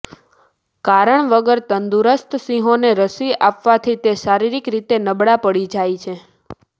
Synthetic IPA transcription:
kaɾəɳʋəɡəɾt̪ənd̪uɾəst̪sĩɦoneɾəsiapʋat̪ʰit̪eʃaɾiɾikɾit̪enəbɽapəɽid͡ʒajt͡ʃʰe

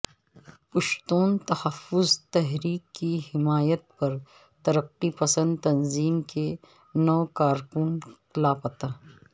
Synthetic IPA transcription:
pɐʃt̪uːnt̪ɐhɐfːʊzt̪ɛɦɾiːkːihɪmaːjət̪̚pɐɾ | t̪ɐɾəqːipɐsə̃nd̪t̪ɐnziːmke | nɔːkaːɾkʊnklaːpɐt̪aː

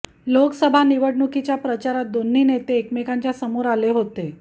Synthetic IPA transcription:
loksəbʱaniʋəɽɳukit͡ɕjapɾət͡ɕaɾat̪̚d̪onːiːnet̪eːkmekaɲt͡ɕjasəmuːɾaleɦot̪e

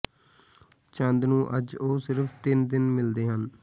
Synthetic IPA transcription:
t͡ʃənd̪nũːʔəd͡ʒoːsɪɾfʰt̪ɪnd̪ɪnmɪld̪eːɦən

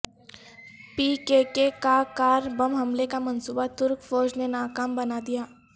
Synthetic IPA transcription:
piːkekekakaːɾbɐmɦɐmlekamɐnsuːbat̪ʊɾkfɔːd͡ʒnenaːkaːmbɐnad̪ijaː

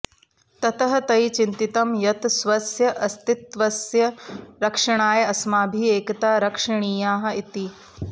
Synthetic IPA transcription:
t̪ɐt̪ɐɦɐ̆t̪ɐjt͡ʃint̪it̪ɐmjɐt̪sʋɐsjɐʔɐst̪it̪ʋɐsjɐɾɐkʂɐɳ̃aːjɐɐsmaːbʱieːkɐt̪aːɾɐkʂɐɳiːjaːɦɐ̆it̪i

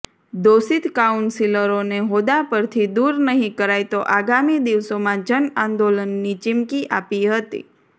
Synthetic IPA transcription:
d̪osit̪kaunsiləɾoneɦod̪apəɾt̪ʰid̪uɾnəɦĩkəɾajt̪oʔaɡamid̪iʋsomãd͡ʒənãnd̪olənːit͡ʃɪmkiʔapiɦət̪ḭ

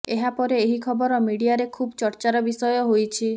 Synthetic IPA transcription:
eɦapɔɾeːɦikʰɔbɔɾɔmiɽiaɾekʰubt͡ʃɔɾt͡ʃaɾɔbisɔjɔɦojt͡ʃʰi

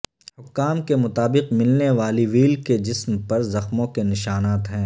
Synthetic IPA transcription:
hʊkːaːmkemʊt̪aːbɪqmɪlneʋaːliʋiːlked͡ʒɪsmpɐɾzɐxmõkenɪʃaːnaːt̪ɦɛ̃ː

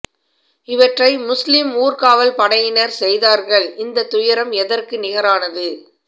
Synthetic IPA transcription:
ɪʋɐʈrɐɪmʊslɪmuːrkaːʋɐlpɐɽɐjɪnɐɾsɛjðaːɾɣɐɭɪnd̪ɐt̪ːʊjɐɾɐmɛðɐrkɯnɪɣɐɾaːnɐðɯ

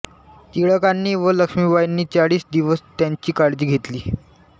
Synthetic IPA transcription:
t̪iɭəkanːiːʋələkʂmiʋajinːiːt͡saɽiːsd̪iʋəst̪jaɲt͡ɕiːkaɽd͡ʑiːɡʱet̪liː

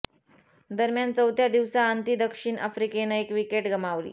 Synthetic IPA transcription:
d̪əɾmjant͡səwt̪jad̪iʋsaːnt̪id̪əkʂiːɳʔə̰fɾikenaekʋikeʈɡʱəmaʋlḭː

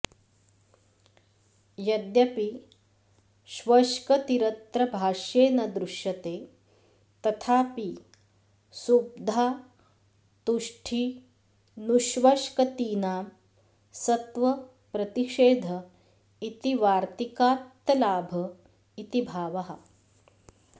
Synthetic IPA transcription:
jɐd̪jɐpi | ʃʋɐʃkɐt̪iɾɐt̪ɾɐbʱaːʃjeːnɐd̪ɾuʃjɐt̪eː | t̪ɐt̪ʰaːpi | sub̚d̪ʱaː | t̪uʂʈʰi | nuʃʋɐʃkɐt̪iːnaːm | sɐt̪ʋɐ | pɾɐt̪iʂeːd̪ʱɐ | it̪iʋaːɾt̪ikaːt̪ːɐlaːbʱɐ | it̪ibʱaːʋɐɦɐ̰̆

